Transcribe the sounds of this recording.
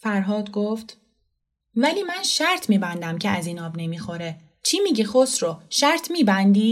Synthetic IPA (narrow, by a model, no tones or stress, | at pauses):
fæɾɦɒːd̪ɡoft̪ | væliːmænʃæɾt̪ʰmiːbænd̪æmcʰeæziːnɒːbne̞miːxo̞ɾe | t͡ʃʰiːmiːɟixosɾoʃæɾt̪ʰmiːbænd̪iː